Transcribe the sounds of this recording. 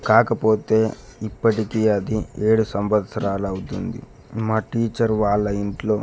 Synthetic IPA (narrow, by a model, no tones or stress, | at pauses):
kaːkɐpo̞ːt̪e̞ːipːɐʈikiɐd̪ie̞ːɽusɐmʋɐt̪sɐɾaːlɐwut̪und̪ḭ | maːʈiːt͡ʃɐɾʋaːɭːɐiɳʈlo̞ː